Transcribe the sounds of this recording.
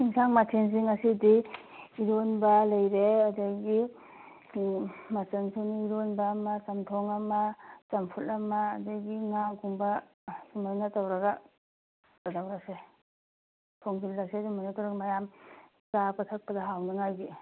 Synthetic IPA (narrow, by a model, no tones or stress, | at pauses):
iŋsaŋmatʰenz̬iŋɐsidiː | ɾonbɐlɐjɾeɐdɐɡi | mat͡ʃensʰiniiɾonbamɐt͡ʃɐmtʰoŋɐmɐt͡ʃɐmpʰutɐmaːdɐɡiŋaɡuŋbɐ | sumojnatawɾɐɡa | adawɾase | tʰoŋbilːaksezumɔjnatawɾɐɡɐmajam | t͡ʃapatʰɐk̚pɐdaɦawnaŋajɡi